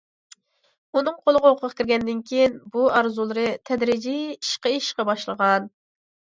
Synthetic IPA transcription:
unɨŋqʰolˠəʁɑoqʰəʁʰɑ̥kʲʰɪɾɡʲɛnd̪ɪnkʲʰijinbuɑɾzulˠɨɾɨt̪ʰɛd̪ɾɪd͡ʒiiʃqɑiʃqɑbɑʃlˠəʁɑn

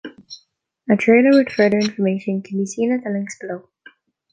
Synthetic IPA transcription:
ətʰɹ̥eɪnə˞wɪd̪̥fɜ˞ðə˞ɪ̃ɱfə˞meɪʃɨ̃nkʰə̃nbisĩnɨt̪ðəlɪ̃ŋksb̥əloʊ

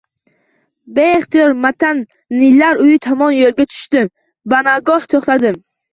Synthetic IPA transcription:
beeχt̪ijɒɾmat̪ʰanː | ɪlaɾʊjɪt̪ʰɒmɒnjolˠɡʲat̪ʰʊ̥ʃt̪ɪm | banaɡɒht̪ʰoχt̪ad̪ɪm

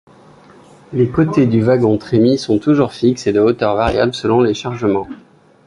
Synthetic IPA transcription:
lekot̪ed̪yvaɡɔ̃t̪χemisɔ̃t̪uʒuʁfiksed̪əot̪œʁvaʁja̰bləsəlɔ̃leʃaʁʒəmɑ̃

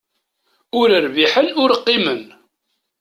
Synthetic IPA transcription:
ʊɾəɾviħənʊɾqːimən

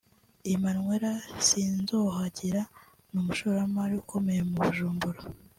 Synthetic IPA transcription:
imanŋweɾasiːnzoɦaɟiɾa | numuʃoɾamaɾiukʰo̞me̞jemuβuʒuːmbuɾa

